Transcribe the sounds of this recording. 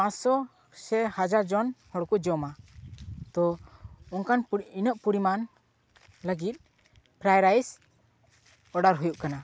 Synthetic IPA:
ãɔ | sɛhad͡ʒaɾd͡ʒɔnhɔɽkud͡ʒɔma | t̪ɔɔnkaninəʔ̚puɾiman | ləɡit̪̚ | pʰɾajɾajs | ɔɖaɾɦujuʔkana

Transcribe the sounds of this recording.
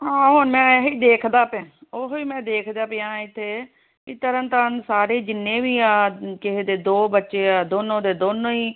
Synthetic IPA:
ɦãːɦoːnmɛ̃ːɦiːd̪eːkʰd̪aːpɛ̃ːoɦʋiːmɛ̃ːd̪eːkʰd̪aːpɪãːɪt̪ʰːeː | ɪt̪əɾənt̪ənsaːɾeːd͡ʒɪnːẽːʋiːaːkɪɦed̪eːd̪oːbətːʃeːaːd̪oːnõːd̪eːd̪oːnõːiː

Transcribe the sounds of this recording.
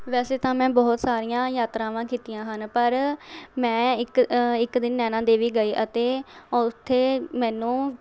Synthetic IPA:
ʋɛːseːt̪ãːmɛ̃ːbɔːt̪saːɾijãːjaːt̪ɾãːʋãːkiːt̪ijãːɦənpəɾmɛ̃ːɪkɪkd̪ɪnːɛːnãːd̪eːʋiːɡəiːʔət̪eːʊt̪ʰːeːmɛ̃ːnũː

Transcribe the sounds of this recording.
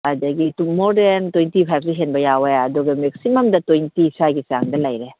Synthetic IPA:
adɐɡitumodentojntipʰajb̚suɦenbɐjaweɐduɡɐmek̚simɐmdɐtojntisʰajɡisaŋdɐlɐjɾe

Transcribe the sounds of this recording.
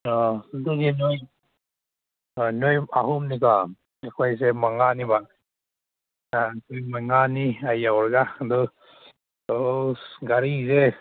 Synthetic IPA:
ɔduɡinoj | nojaɦumnika | ekʰajsemaŋaniba | akɯjmaŋaniajawɾɡadɔ | ɔɡaɾize

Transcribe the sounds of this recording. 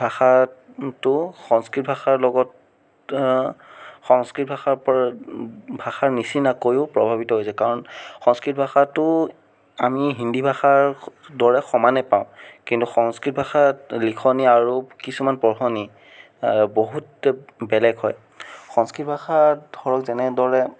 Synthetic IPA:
bʱaxa | tʊxɔŋskɹit̚bʱaxaɹlɔɡɔt | xɔŋskɹit̚bʱaxaɹpɔ | bʱaxaɹnisinakojʊpɹɔbʱabitɔɦojsɛkaɹɔnxɔŋskɹit̚bʱaxatʊ | amiɦindʱibʱaxaɹdɔɹɛxɔmanɛpaʊ̃kintuxɔŋskɹit̚bʱaxalikʰɔniaɹukisumanpɔɹxɔni | boɦutbɛlɛɡɦɔj | xɔŋskɹitbʱaxadʱɔɹɔkzɛnɛdɔɹɛ

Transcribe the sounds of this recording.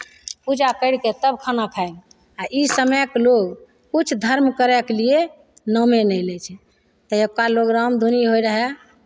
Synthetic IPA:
pud͡ʒakəɪɽket̪əbkʰanakʰaeɡ | aʔisəmɛkloɡ | kut͡ʃʰd̪ʱəɾmkəɾɛklie | nəmenəjlɛt͡ʃʰɛ | t̪əekaloɡɾamd̪ʱuniɦojɾəɦɛ

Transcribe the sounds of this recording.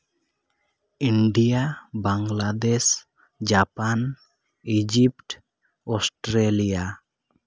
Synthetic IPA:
iɳɖijabaŋɡlad̪es | d͡ʒapan | id͡ʒipʈ | ɔsʈɾelija

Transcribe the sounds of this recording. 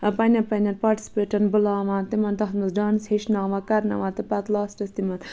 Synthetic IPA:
pɐnʲɐnpɐnʲɐnpaːɾʈi̥si̥peːʈɐnbulaːʋãːnt̪imɐnt̪ɐt̪mɐzɖaːnsheʃnaːʋãːkɐɾnɐ̰ʋãːt̪ɐpɐt̪laːsʈɐst̪imɐn

